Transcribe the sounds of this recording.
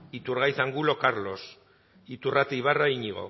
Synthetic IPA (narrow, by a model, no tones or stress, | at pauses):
it̪uɾɣajθaŋɡulo̞kaɾlo̞s | it̪urat̪ijβaraiɲiɣ̞o̰